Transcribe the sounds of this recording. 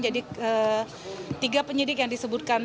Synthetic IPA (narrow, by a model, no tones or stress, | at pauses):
d͡ʒadiə | t̪iɡapəɲidɪk̬jaŋdisəbʊt̪̚kan